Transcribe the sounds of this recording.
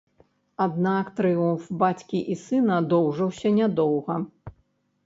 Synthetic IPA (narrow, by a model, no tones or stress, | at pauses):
ad̪nakt̪ɾɨumfbat͡sʲkʲiʔisɨnɐd̪ɔwʐɐwsʲɐnʲad̪ɔwɣɐ